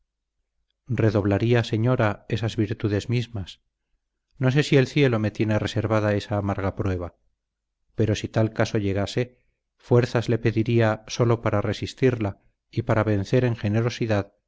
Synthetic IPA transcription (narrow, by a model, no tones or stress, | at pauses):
re̞ðo̞β̞laɾiase̞ɲo̞ɾae̞sazβiɾt̪uðe̞zmizmas | no̞s̬e̞sie̞lθje̞lo̞me̞t̪je̞nere̞se̞ɾβaðae̞saːmaɾɣapɾwe̞β̞a | pe̞ɾo̞sit̪alkaso̞ʎe̞ɣase̞ | fwe̞ɾθazle̞pe̞ðiɾiaso̞lo̞paɾare̞sist̪iɾla | ipaɾaβe̞nθe̞ɾe̞ŋxe̞ne̞ɾo̞siðað